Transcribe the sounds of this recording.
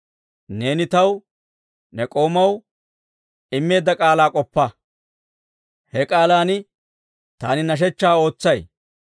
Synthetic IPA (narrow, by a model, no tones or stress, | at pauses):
ne̞ːnɪt̪ɐw | nɛkʼo̞ːmɐw | ɪmːe̞ːd̪ːɐkʼaːlaːkʼɔpːɐ | hɛkʼaːlaːnɪ | t̪aːnɪnɐʃ̬ɛt͡ʃːaːo̞ːt͡sːɐj